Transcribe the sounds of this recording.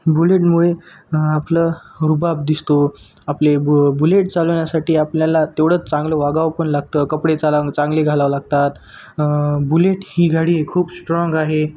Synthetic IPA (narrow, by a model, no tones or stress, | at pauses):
buleʈmuɭe | apləɾubap̚d̪ist̪o | aplebuleʈt͡saləɳjasaʈiːapljalat̪eʋɽ̤əːt͡st͡sãŋɡləʋaɡaʋpəɳlaɡ̚t̪əkəpɽet͡salat͡sãŋɡleɡʱalaʋlaɡ̚t̪at̪ | buleʈhiːɡʱaɽiːkʰuːpsʈɾɔŋɡaɦe